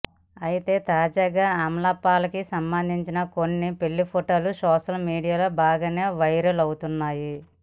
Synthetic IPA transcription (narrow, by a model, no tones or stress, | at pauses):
ɐjit̪e̞ːt̪aːd͡ʒaːɡaːɐmlɐpːaːlɐkisɐmbɐnd̪ʱiɲt͡ʃinɐko̞nːipe̞lːipʰoʈoːlusɔːʂɐlmiːɽijaːlo̞ːbaːɡɐːne̞ːʋɐjɾɐlɐwut̪unːaːji